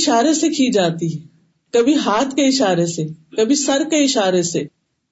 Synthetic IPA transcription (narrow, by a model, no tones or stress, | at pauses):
ʃaːɾesekʰid͡ʒaːt̪iɦɛ | kɐbʱiɦaːt̪ʰkeɪʃaːɾesekɐbʱisɐɾkeɪʃaːɾeseː